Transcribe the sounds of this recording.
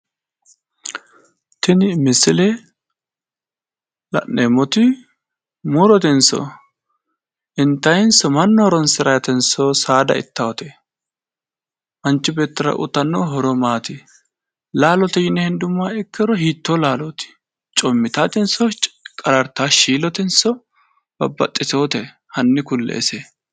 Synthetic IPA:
t̪ɪnɪmɪsɪlɛ | lɐ̰ʔːeːmːɔt̪ɪ | muːɾɔt̪ɛnsɔ̰ | ʔɪnt̪ːɐjnsɔmɐnːɔhɔɾɔnsɪɾɐjɐt̪ɛnsɔsaːd̪ɐ̰ɪ̰t̪ːɐwɔt̪ɛ | ʔɐnt͡ʃːɪbe̞ːt̪ːɪɾɐ̰ʔʊ̰t̪ːɐnːoɦɔɾɔmaːt̪ɪ | laːlɔt̪ɛjɪnːɛhɪnd̪ʊmːaːɛkːɛɾɔhiːt̪ːoːlaːlɔt̪ɪ̥ | t͡ʃʼɔmːɪt̪aːt̪ɪnsɔkʼɐɾɐɾt̪ːaːʃiːlɔt̪ɛnsɔ | b̥ɐ̰bːɐ̰t̪ʼːɪso̞ːt̪ɛ | hɐnːɪkʊlːḛːse

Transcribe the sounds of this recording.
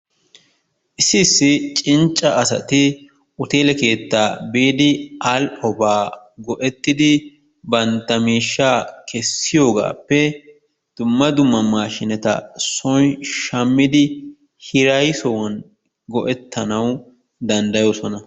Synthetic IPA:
ʔɪsɪːsːɪt͡ʃʼɪnt͡ʃʼːɐɐsɐ̰t̪ɪ | ʔʊt̪e̞ːlɛke̞ːt̪ːaːbeːd̪ɪʔɐlɔbaːɡɔʔɛt̪ːɪd̪ɪ | bɐnt̪ːɐmiːʃːaːkʰɛsːɪjo̞ːɡa̰ːpːɛ | d̪̥ʊmːɐd̪ʊmːɐmaːʃɪnɛt̪ɐ̰sɔjʃɐmːɪd̪ɪ | hɪɾɐjsɔwɐn | ɡɔʔɛt̪ːɐnɐw | d̪ɐnd̪ɐjoːsɔnɐ

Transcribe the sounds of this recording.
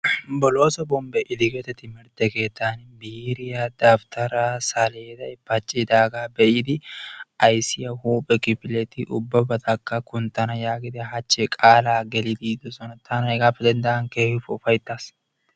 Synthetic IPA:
bɔlo̞ːsɔbɔmbɛʔɪd̪ɪɡɛt̪ɛt̪ɪmɪɾd̪ɛke̞ːt̪ːaːnbiːɾɪjɐd̪aːft̪ɐɾasɐleːd̪ɐɛbɐt͡ʃʼːid̪aːɡaːbɛʔɪd̪ɪʔɐjsɪjɐhuːpʼːɛkɪpɪlɛt̪ɪʔʊbːɐbɐt̪ɐkːɐkʊnt̪ɐnɐjaːɡɪd̪ɛɦɐt͡ʃːɛkʼaːlaːɡɛlɪd̪iːd̪ʊsɔnɐt̪ʰːaːnɛɡaːfːɛd̪ɐnd̪ɐʔɐŋkeːhʊffɐjt̪ːaːs

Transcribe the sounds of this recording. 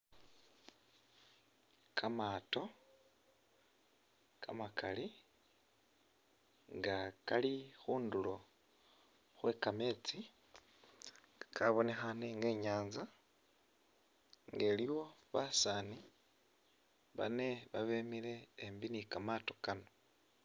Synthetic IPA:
kʰamaːto̞ | kʰa̰makali | ŋɡakalixuːndulo̞ | xwe̞kame̞ːt͡si | kʰaβo̞ne̞xaneŋɡe̞ːɲaːnza | ŋɡe̞ːliwo̞βasaːni | βa̰ne̞βaβeːmile̞ːmbinikamato̞kano̞

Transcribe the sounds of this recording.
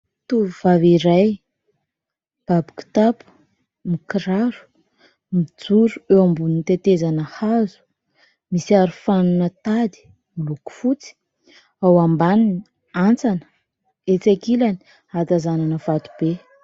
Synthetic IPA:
t̪uvivaviɾaj | b̥abiki̥t̪apu̥ | mikɾaɾu̥ | mid͡zuɾuewambunit̪et̪ezanəhazu̥ | misiaɾufanunət̪ad̪i̥ | miluku̥fut͡si̥ | awambanini | ant͡sanə̥ | et͡sakilani̥ | at̪azananəvat̪u̥b̥e

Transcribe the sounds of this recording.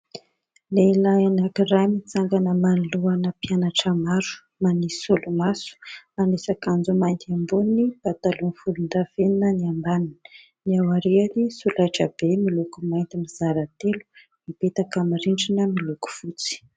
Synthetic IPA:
leilaanakirajmit͡saŋɡanəmaniluanəpianaʈ͡ʂəmaɾu̥ | manisolumasu̥manesakand͡zumajnt̪iambunnibat̪alunfulund̪aveninəniambanin | niawaɾeanisulajʈ͡ʂəbemilukumajnt̪imiz̥aɾat̪elu̥ | mibet̪akamiɾiɳɖ͡ʐinəmiluku̥fut͡si̥

